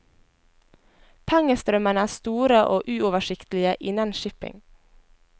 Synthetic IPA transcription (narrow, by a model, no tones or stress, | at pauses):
pʰɛŋəst̪ɾœmənəæːst̪uːɾəʔoːʔʉːɔʋəʃɪkt̪l̩ɪəʔɪnɑnʃɪpɪ̰ŋ